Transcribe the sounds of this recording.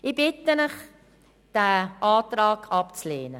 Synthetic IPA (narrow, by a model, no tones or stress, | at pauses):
ibɪtənəχ | d̥æːʔɑːtrɑːkʰɑpt͡sleːnə